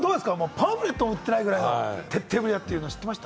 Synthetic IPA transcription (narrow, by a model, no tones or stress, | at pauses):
d̪oːd̪e̞sɨ̥kamoːpãbɯɾe̞t̪ːomɯ̟t̪ːe̞naiɡɯ̟ɾajt̪ʰe̞t̪ʰːe̞ːbɯ̟ɾiat̪ːeiɯːnoːɕi̥t̪ːemasɕi̥t̪a